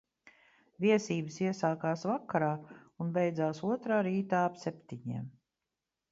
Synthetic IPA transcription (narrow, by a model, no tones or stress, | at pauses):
viɛsiːbəsiɛsaːkaːsvakːaɾaːunbejd̪zaːsuɔt̪ɾaːɾiːt̪aːapsɛpt̪iɲḭɛm